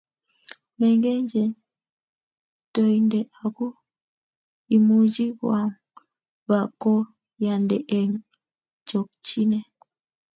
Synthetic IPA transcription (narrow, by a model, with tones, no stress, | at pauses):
mɛ˨ŋɡɛ˦ɲd͡ʒɛ˨ | tɔ˨i˨ndɛ˨a˨ku˦ | i˨mu˨d͡ʒi˦ɣwa˨ŋ | βa˨kɔ˦ | ja˨ndɛ˨ʔɛ˨ŋ | t͡ʃɔ˨kt͡ʃi˦nɛ˨